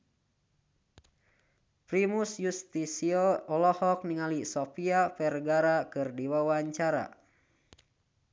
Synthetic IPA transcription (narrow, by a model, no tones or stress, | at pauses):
pɾimusjust̪isiɔɔlɔhɔk̚niŋalisopiafɛrɡaɾakɨrdiwawaɲt͡ʃaɾa̰